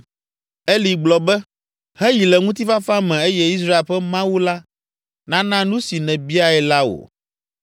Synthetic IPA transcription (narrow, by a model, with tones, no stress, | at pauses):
e˦li˨ɡ͡blɔ˨bɛ˦ | hɛ˦ji˨lɛ˨ŋũ˦t̪̬i˦fa˦fa˦mɛ̃˨e˦jɛ˦i˦s̬ɾa˦e˨lɸɛ˦mã˦wu˦la˦ | nã˦nã˦nũ˦si˨nɛ̃˨bi˦a˨ɛ˨la˦wo̰˨